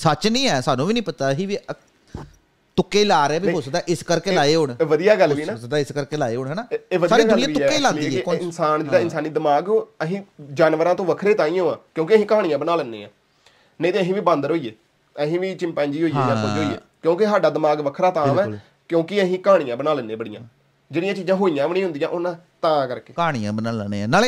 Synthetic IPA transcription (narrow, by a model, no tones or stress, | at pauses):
sət͡ʃnĩːɛːsaːnũːʋiːnĩːpət̪aːɦĩːʋi | t̪ʊkːeːlaːɾɛːbiːɦoːsək̚d̪aːʔɪskəɾkeːlaːeːɦoːɳʋəd̪ijaːɡəlːʋiːnasək̚d̪aːɪskəɾkeːlaːeːɦoːɳɦɛːnaːeːʋəd̪saːɾiːd̪nɪãkːeːlãːndiːɛkɔɪnsaːnd͡ʒeːaːɪnsaːniːd̪əmaːɡəɦĩːd͡ʒaːnʋəɾãːt̪õːʋəkʰɾeːt̪ãːĩːõːãːkjõːkeəɦĩːkaːɽĩjãːbənaːlənːḛ̃ːã̰ː | nə̃ĩːt̪ẽːəɦĩːʋiːbãːnd̪əɾɦoːiːeː | əɦĩːʋiːt͡ʃɪ̃mpɛ̃ːɲd͡ʒiːɦoːiːeːjãːpəd͡ʒɦoːiːɛ̰ːkjõːkeɦaːɖaːd̪əmaːɡʋəkʰɾaːt̪ãːʋɛː | kjõːkɪəɦĩːkãːɽɪjãːbənaːlənːẽːbəɽɪjãː | d͡ʒeːɽijãːt͡ʃiːzãːɦoːijãːʋəɽ̃ĩːɦʊnd̪iːãːʔʊnãːt̪ãːkəɾkeːaːɽ̃ijã̰ːbənaːləneːnaːle